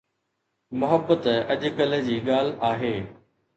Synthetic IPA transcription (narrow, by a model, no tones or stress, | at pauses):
mʊɦəbːət̪ɐʄʊ̆kəld͡ʑiːɠaːl̤aːɦeː